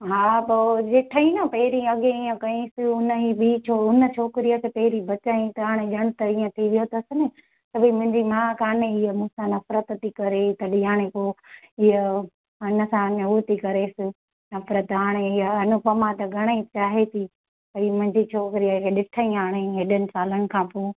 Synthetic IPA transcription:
ɦaːpoːd͡ʒɪʈʰəĩnɐpɐɦɾiɐɠeiːə̃kɐĩsɪʊnəɦibit͡ʃʰoʊnət͡ʃʰoːkɪɾijəkʰeːpɛɦɪɾibɐt͡ɕaːĩt̪ɐɦaːɽ̃eʄɐɽ̃t̪ɐiːə̃t̪ʰiʋijot̪ɐsɪnɪ | sɐbʱimʊ̃ɦɪ̃ɲd͡ʑimaːkaːneɪɦəmʊ̃sãnɐfɾət̪t̪ːikɐɾet̪ɐɗiaːɽ̃ekoːɪɦə | ɐnəsãnɐut̪ikɐɾesɪ | nɐfɾət̪ɦaːɽ̃eɪɦəɐnʊpɐmãt̪ɐɡʱɐɽ̃əĩt͡ɕaːɦet̪ʰiː | pɐimʊ̃ɦɪ̃ɲd͡ʑit͡ʃʰoːkɾijəkʰeɗɪʈʰaĩɦaːɽ̃eɦeːɗənɪ̆saːləɽɪ̆kʰãːpoː

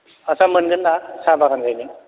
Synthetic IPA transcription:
asamɯnɡɯnːasabakʰanzajniŋ

